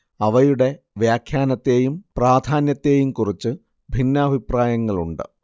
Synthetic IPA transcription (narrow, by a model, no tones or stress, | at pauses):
ɐʋɐjuɽe̞ | ʋjaːkʰjaːnɐt̪ːe̞ːjumpraːd̪ʱaːnjɐt̪ːe̞ːjumkurit͡ɕːɨ | bʱinːɐːbʱipraːjɐŋːɐɭṵɳɖɨ̰